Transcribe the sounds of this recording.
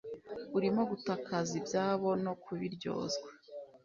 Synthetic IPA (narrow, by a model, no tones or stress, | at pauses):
uɾimo̞ɡutakazibjaːβo̞no̞kuβiɾɟo̞̰ːzɡwḁ